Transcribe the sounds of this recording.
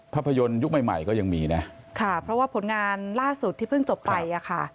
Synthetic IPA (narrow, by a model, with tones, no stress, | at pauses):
pʰa˦˥˩pʰːa˧jo˧nju˦˥k̚ma˨˩jma̰˨˩jkɔː˥˩ja˧ŋmiː˧na˦˥ | kʰa˥˩pʰɾɔ˦˥waː˥˩pʰo˩˦nŋaː˧nlaː˥˩su˨˩t̪ʰːi˥˩pʰɯ˥˩ŋt͡ɕo˨˩pːa˧jjʔa˨˩kʰa˥˩